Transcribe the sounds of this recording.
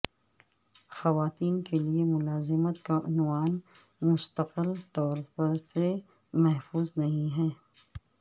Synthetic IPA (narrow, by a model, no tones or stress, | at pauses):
xɐʋaːt̪iːnkeliemʊlaːzɪmət̪kaʔʊnwaːn | mʊst̪əqɪlt̪ɔːɾpɐɾse | mɛɦfuːznɐɦĩɦɛː